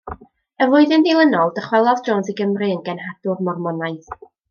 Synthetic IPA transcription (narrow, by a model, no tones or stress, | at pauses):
əvʊɨðɪnðelˠənɔlˠdəχwɛlˠɔðd͡ʒɔnsiɡəmrɨənɡɛnɦad̥ʊrmɔrmɔnajθ